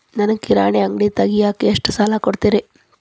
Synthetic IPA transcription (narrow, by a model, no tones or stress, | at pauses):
nɐnɐkiɾaːɳeɐŋɡɽit̪ɐɡijaːkeeʂʈusaːlakoɽt̪iːɾe